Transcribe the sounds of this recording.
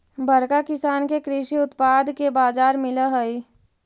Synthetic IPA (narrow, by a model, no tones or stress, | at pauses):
bʱɐɾkakɪsaːnkekɾɪʃiʊt̪paːd̪kebaːzaːɾmɪlaɦəi